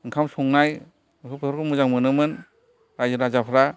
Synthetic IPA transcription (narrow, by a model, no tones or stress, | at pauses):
ɯŋkʰamsɔŋnaj | ɯkʰɯpʰɯtʰɾkʰɯmuzaŋmɯnɯmɯn | ɾajzɯɾazapʰɾa